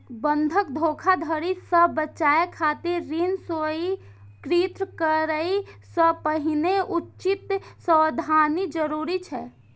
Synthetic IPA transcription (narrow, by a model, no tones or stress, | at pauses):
bənd̪ʱəkd̪ʱoːkʰad̪ʱəɾisəbət͡ʃaːekʰaːt̪iɾːinsoi | kɾit̪ɾəkəɾəisəpəɦineutːt͡ʃɪt̪səd̪ʱaːnid͡ʒəɾuːɾit͡ʃʰɛː